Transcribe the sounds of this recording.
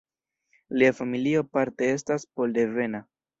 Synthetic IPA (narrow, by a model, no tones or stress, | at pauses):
liafamilio̞paɾte̞e̞s̬taspo̞lde̞ve̞na